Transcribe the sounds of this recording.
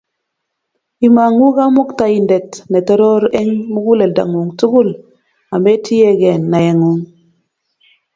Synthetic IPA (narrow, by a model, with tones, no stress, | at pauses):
i˨ma˨ŋu˦ɡa˦mu˦kta˨ji˨nde˨tne˨tɔ˦ɾo˦ɾe˦ŋmu˦ɡu˦le˨lda̰˨ŋu˨ŋtu˦ɡu˦l | a˨me˦ti˦je˦ɡe˨nːa˨je˨ŋu˨ŋ